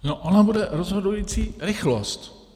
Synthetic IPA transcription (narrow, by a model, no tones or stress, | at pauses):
noʔonabudɛɾozɦodujit͡siːɾɪxlost̪